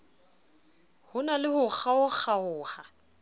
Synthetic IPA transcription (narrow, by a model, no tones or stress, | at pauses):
hʊnalɪhʊk͡xʰaʊk͡xaʊːha